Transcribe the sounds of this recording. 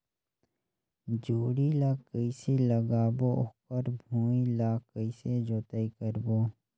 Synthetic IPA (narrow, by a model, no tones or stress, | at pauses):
d͡ʒoːɽilaːkəiseləɡaːboʊkəɾbʱuːilaːkəised͡ʒoːt̪əikəɾboː